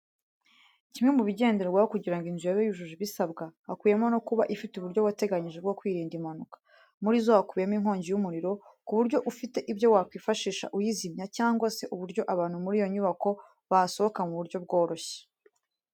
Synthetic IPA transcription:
cimŋemuβiɟe̞ːndeɾeɡwahokuɟiɾaŋɡinzujaβejuʒuʒiβisabɡahakwiːje̞mo̞no̞kuβaʔifituβuɾɟo̞wate̞ɡaɲiʒe̞bɡo̞kwiːɾiːndimanukḁ | muɾizohakuβjemiŋɦo̞ːɲɟijumuɾiɾo̞kuβuɾɟo̞ʔufite̞ʔibɟo̞wakwiːfaʃiːʃa̰ʔujizimɲacaːŋɡwase̞ʔuβuɾɟo̞ʔaβaːn̥humuɾijo̞ɲuβako̞ | βaso̞hokamuβuɾɟo̞b̚ɡo̞ːɾo̞çe̥

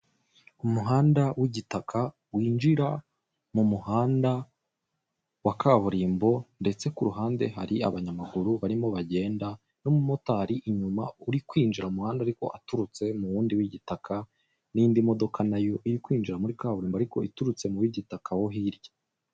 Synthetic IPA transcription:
umuɦaːndawiɟitakʰa | wiːnd͡ʒiɾa | mumuhaːnda | wakaːβuɾiːmbo̞nde̞t͡se̞kuɾuɦaːnde̞ɦaɾiaβaɲamaɡuɾuβaɾimo̞βaɟe̞ːnda | nomumo̞taɾiʔiɲuma̰uɾikwiːnd͡ʒiɾaumuhaːndaːɾiko̞̰ʔa̰tuɾut͡se̞muβuːndiwiɟitakʰa | nindimo̞do̞kʰanajo̞ʔijikwiːnd͡ʒiɾamuɾikaːβuɾiːmbaɾiko̞ituɾut͡se̞muwiɟitakʰawo̞ɦiɾjḁ

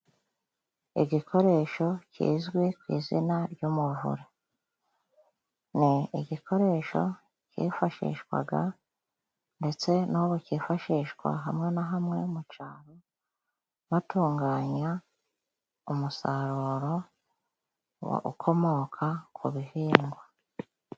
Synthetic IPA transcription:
ḭɟikʰo̞ɾe̞ːʃo̞cḭːzɡwekwḭːzinaɾɟuːmuvṵɾe | niiɟikʰo̞ɾe̞ːʃo̞̰ | cḭːfaʃḭːʃɡwa̰ɡa | nde̞t͡se̞nuβuciːfaʃiːʃɡwa̰ɦamŋe̞naɦamŋe̞mut͡ʃaːɾo | βatuːŋɡaːɲa | umusaɾuɾo̞ | wo̰ṵkʰo̞mo̞kʰakʰuβiviːŋɡwa

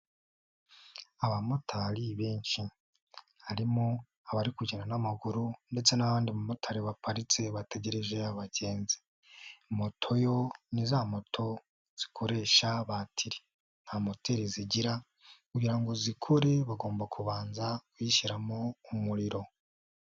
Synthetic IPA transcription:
aβamo̞tʰaɾiβeːnʃi | haɾimo̞ | aβaɾikuɟiɾanamaɡuɾunde̞t͡se̞naβaːndimamo̞tʰaɾiβapaɾit͡se̞βate̞ɟe̞ɾe̞ʒe̞aβaɟe̞ːnze | mo̞tʰo̞jo̞nizamo̞tʰo̞ | z̥i̥kʰo̞ɾe̞ːʃaβatʰiɾi̥ | n̥haːmo̞teɾiziɟiɾa | kuɟiɾaŋɡo̞zikʰoɾe̞βaɡo̞ːmbakʰuβaːnzakwiʃiɾamoumuɾiɾo̞

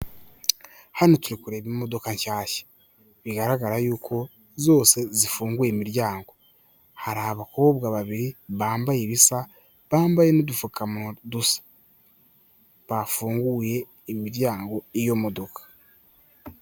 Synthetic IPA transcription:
hanotuɾikuɾe̞ːβimo̞do̞kaɲʃaːʃe̥ | βiɡaɾaɡaɾajuːkʰo̞ | zo̞ːse̞zifuːŋɡujemiɾjaːŋɡo̞ | haɾaaβakooβɡaːβaβiɾiβaːmbajeβisa | βaːmbaje̞nodufukʰamudusḁ | βafuːŋɡuje̞ː | miɾjaːŋɡo̞ijo̞mo̞do̞kʰḁ

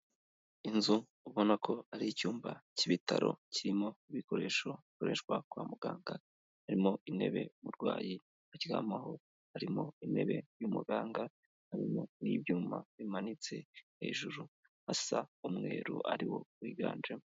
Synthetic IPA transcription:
inzuː | βo̞nakʰo̞aɾicuːmbaciβitaɾo̞̰ciɾimo̞iβiko̞ɾe̞ːʃoikoɾe̞ːʃwakwaːmuɡaːŋɡa | haɾimo̞ine̞̰βe̞̰muɾɡwaːji | aciɡa̰ːmaho̞ | haɾimo̞ine̞̰βe̞jumuɡaːŋɡa | haɾimo̞niːβjuːmaβimanit͡se̞he̞̰ːʒuɾu | hasaumŋe̞ːɾṵaɾiwo̞wiɡaːnd͡ʒemo

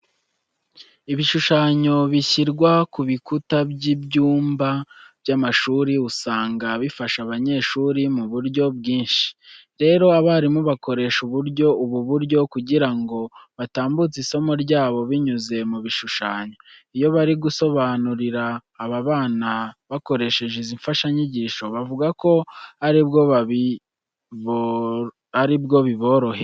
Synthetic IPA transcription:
iβiʃuʃaːɲo̞βiçiɾɡwakuβikutabɟibɟuːmbab̥jamaʃuːɾiusaːŋɡaβifaʃaβaɲe̞ːʃuːɾimuβuɾɟo̞bɡiːnʃi̥ | ɾe̞ːɾo̞aβaːɾimuβako̞ɾe̞ʃuβuɾɟo̞uβuβuɾɟo̞kuɟiɾaŋɡo̞βataːmbut͡siso̞mo̞ɾɟaːβo̞βiɲuze̞muβiʃuʃaːɲoijo̞βaɾiɡuso̞βanuɾiɾaːβaβaːnaβako̞ɾe̞ʃe̞ʒeziɱfaʃaɲiɟiːʃo̞βavuɡako̞haɾibɡoβaβi | aɾibɡo̞βiβo̞ɾo̞he̞

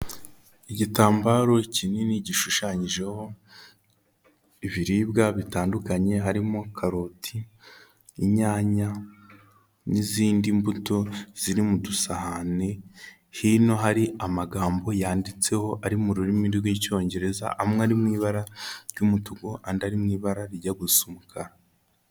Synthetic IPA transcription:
iɟitaːmbaɾo̞cininiɟiʃuʃaːɲiʒe̞ho̞ | iβiɾiːbɡaβitaːndukaɲe̞ɦaɾimokʰaɾotʰiː | ɲaːɲa | niziːndimbuto̞z̥iɾimudusahane̞ | hino̞ɦaɾiʔamaɡaːmbo̞jaːndit͡se̞ho̞ʔaɾimuɾuɾimiɾɡwiːco̞ːɲɟe̞ɾe̞za̰ʔamŋeaɾimŋiːβaɾaɾjumutuɡoʔandaɾimŋiːβaɾaɾiɟaɡusumukʰaɾa

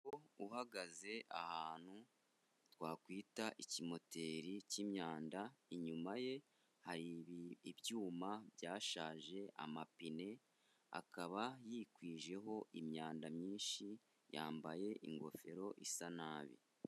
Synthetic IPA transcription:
ouhaɡaze̞ʔa̰haːnhu | twaːkwiːtaʔicimo̞te̞ːɾicimɲaːndaiɲumaje̞ | haɾiβiːbjuːmabjaːʃaːʒe̞ʔa̰mapine̞ | a̰kaβajiːkwiːʒe̞ɦo̞ʔimɲaːndamɲiːnʃi | ja̰ːmbaje̞ʔḭŋɡo̞̰feɾo̞ʔisanaːβḭ

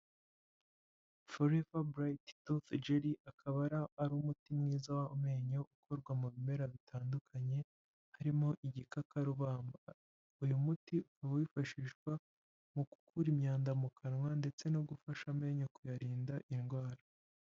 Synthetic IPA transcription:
foɾevabɾajttoθd͡ʒeɾiʔakʰaβaɾaːɾumutimŋiːzawaume̞ːɲoʔukʰo̞ɾɡwamuβime̞ɾaβitʰaːndukʰaɲe̞ | haɾimo̞ʔiɟikakʰaɾuβaːmba | ujumutiukaβawifaʃiʃɡ̥wa | muku̥kʰuɾimɲaːndamukʰanŋwande̞t͡se̞noɡufaʃame̞ːɲokujaɾiːndaʔinɡwaːɾa

